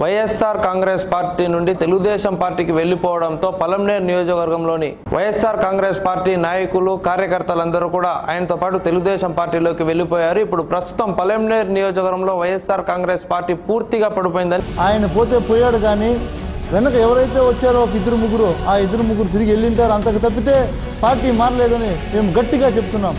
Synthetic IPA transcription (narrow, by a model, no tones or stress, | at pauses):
ʋɐjesːaːɾkaːŋɡɾeːspaːɾʈiːnuɳɖit̪e̞luɡud̪ɛːʃɐmpaːɾʈiːkiʋe̞ɭːipɔːʋɐɽɐnt̪o̞ːpɐlɐmneːɾnijoːd͡ʒɐkʋɐɾɡɐmlo̞ːni | ʋʔɐ̰jesːaːɾkaːŋɡɾeːspaːɾʈiːnaːjɐkulukaːɾjɐkɐɾt̪ɐlɐnd̪ɐɾuːkuːɽaːʔʔa̰ːjɐnɐt̪oːpaːʈut̪e̞luɡud̪ɛːʃɐmpaːɾʈːiːlo̞ːkiʋe̞ɭːipɔːjaːɾuipːuɽupɾɐst̪u̥t̪ɐmpɐlemneːɾnijɔːd͡ʒɐkɐɾɐmlo̞ːʋɐjesːaːɾkaːŋɡɾeːspaːɾʈːiːpuːɾt̪iɡaːpɐɽip̬oːjind̪ɐnaːjɐnɐpo̞ːt̪e̞ːpoːjaːɽuɡaːniː | ʋɛnɐkɐɛʋɐɾɐjt̪e̞ːʋɐt͡ʃːaːɾoːɔkɐid̪ɐɾumuɡuɾuaːid̪ɐɾumuɡuɾut̪iɾiɡielːiɳʈaːɾuɐnt̪ɐkit̪ɐp̬ːit̪e̞ː | paːɾʈiːmaːɾɐlɛːd̪ɐnime̞ːmuɡɐʈːiɡaːt͡ʃebut̪unːaːm